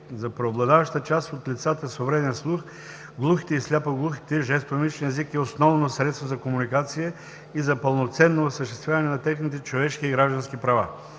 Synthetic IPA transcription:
zɐpɾɛoblˠɐd̪avɐʃt̪ət͡ʃast̪ot̪lʲit̪sat̪əsovɾɛd̪ɛnslˠux | ɡlˠuxit̪ɛislʲapəɡlˠuxi̥t̪ɛʒɛst̪omit͡ʃniɛzikɛosnɔvnosɾɛt̪st̪vozɐkomunikat̪sijə | izɐpəlˠnot̪sɛnːoɐsəʃt̪ɛst̪vʲjavɐnɛnɐt̪ɛxnit̪ɛt͡ʃovɛʃk̟iiɡɾaʒd̪ɐnsk̟ipɾɐva̰

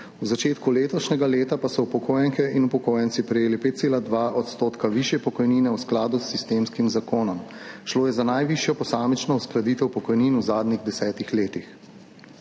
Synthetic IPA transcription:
wzat͡ʃeːt̪kuleːt̪ɔʃnɛɡaleːt̪apasɔwpɔkoːjɛŋkɛʔinupɔkoːjɛnt̪sipɾɛjeːlipeːt̪̚seːlad̪ʋaːʔɔt̪st̪oːt̪kaʋiʃjɛpɔkɔjniːnɛwsklaːd̪usːist̪emskimzakoːnɔmʃloːjɛzanajʋiʃjɔpɔsaːmɛt͡ʃnɔusklad̪iːt̪ɛwpɔkɔjninuzaːd̪niɣd̪ɛsɛːt̪ixleːt̪ix

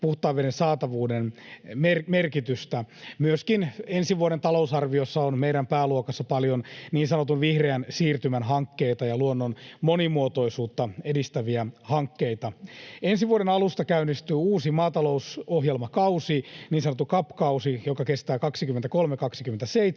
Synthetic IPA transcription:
puht̪ɑːʋedensɑːt̪ɑʋuːdenmermerkit̪yst̪æmyøskinensiʋuoɾent̪ɑlousɑrʋiosːɑonmeiɾæmpæːluokɑsːɑpɑljonniːnsɑnot̪unʋihreænsiːrt̪ymænɦɑŋkːe̞it̪ɑjɑluonːonmonimuot̪o̞isuːt̪ːɑedist̪æʋiæhɑŋkːeit̪ɑensiʋuoɾenɑlust̪ɑkæynːist̪yːuːsimɑːt̪ɑlo̞usoɦjelmɑkɑusiniːnsɑnot̪ːukɑpːkɑusijokɑkest̪æːkɑksikymːent̪ækolmekɑksikymːent̪æseit̪

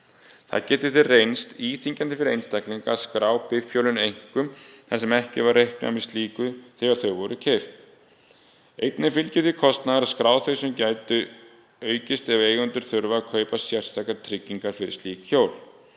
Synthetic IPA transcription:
θa̰ðcɛːt̪ɪθɪrejnst̪iːθiɲcant̪ɪfɪɾejnst̪akliŋkaːðskɾaːwpɪfjowlʏnejŋ̥kʏmθasɛmɛhcɪ̰vaɾːejhkna̰mɛðst̪liːkʏθɛɣaɾ̥θœɥvɔɾʏcʰejft̪ | ejt̪nɪfɪlcɪθɪkʰɔst̪naðaɾaðskɾaːwθejsʏmcaːjt̪ʏ | œːɥcɪst̪ɛveːjɣʏnt̪ʏɾ̥θʏɾvakʰœːɥpasjɛr̥st̪akat̪ʰɾɪcːiŋkaɾ̥fɪɾɪ̰̥st̪iːkçoːwl

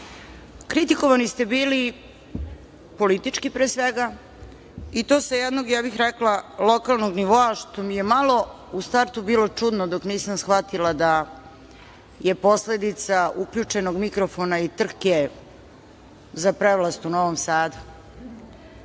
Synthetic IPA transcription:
kɾit̪iko̞ʋanist̪e̞biːli | po̞lit̪it͡ʂkipɾeːsʋeɡa | it̪o̞sajɛd̪noɡjaːbixɾeklˠalo̞kalˠno̞ɡniʋo̞aʃt̪o̞mijemalˠo̞ | ust̪aɾt̪ubiːlo̞t͡ʂud̪nod̪o̞kniːsamsxʋat̪ilˠad̪a | jepo̞sle̞d̪it̪saukʎʲut͡ʂe̞no̞ɡmikɾo̞fo̞nait̪r̩ke | zapɾeʋlˠast̪uno̞ʋomsaːd̪u̥

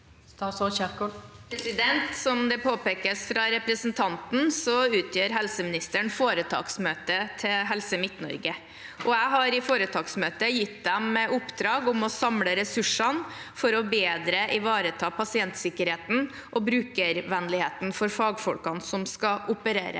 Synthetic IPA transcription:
t̪ɑsɔɕɛt̪kɔpʰɾɛsɪd̪ɛnt̪sɔmd̪ɛpʰoːpeːkəsfɾɑɾɛpɾəsnt̪ʰɑnt̪n̩sɔʉːt̪ʰjøːɾɦɛlsəmɪnɪst̪əɳfoːɾət̪ʰɑ̰ːɡsmøːt̪ət̪ʰɪlɦɛlsəmɪt̪nɔ̰ɾɡə | ʔɔæɪɦɑɾɪfoːɾət̪ʰɑːɡsmøːt̪əjɪt̪d̪ɛmɛʔʊpːd̪ɾɑːɡʊmɔsɑmləɾɛsʉʂɑn | fɔɾɔbeːd̪ɾəʔɪʋɑːɾət̪ʰɑːpʰɑsɪɛnt̪sɪkːəɾheːt̪n̩ | ʔɔbɾʉːkəɾʋɛnlɪheːt̪n̩fɔɾfɑːɡfɔlkɑnsɔmskɑʔʊpəɾeːɾə̰

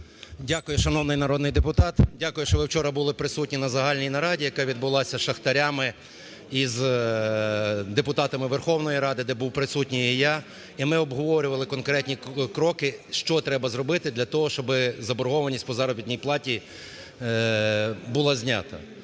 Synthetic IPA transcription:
dʲakʊjʊʃɐnɔwnɪjnɐɾɔd̪nɪjd̪epʊt̪ɑt̪dʲakʊjʊʃt͡ʃɔʋɪwt͡ʃɔɾɐbʊlˠɪpɾɪsut̚ʲnʲinɐzɐɦɑlʲnʲijnɐɾɑdʲijɐkɑʋʲid̪̚bʊlˠɑsʲɐʃɐxt̪ɐɾʲamɪ | iz | d̪epʊt̪ɑt̪ɐmɪʋerxɔwnɔjiɾɑd̪ɪd̪ɛbuwpɾɪsutʲnʲijija | imɪɔbɦɔʋɔɾʲʊʋɐlˠɪkɔnkɾɛtʲnʲikɾɔkɪʃt͡ʃɔt̪ɾɛbɐzɾɔbɪt̪ɪd̪lʲɐt̪ɔɦɔʃt͡ʃɔbɪzɐbɔɾɦɔʋɐnʲisʲtʲpɔzɑɾɔbʲit̪ʲnʲijplˠɑtʲi | bʊlˠɑzʲnʲa̰t̪ɐ̰

